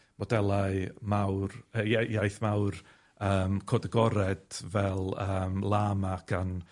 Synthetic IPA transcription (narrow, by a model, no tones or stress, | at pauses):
mɔdɛlˠaɨmawrəjajajθmawr | əːmkʰɔdəɡɔɾɛd̥vɛlˠəːmlˠaːmaɡ̥an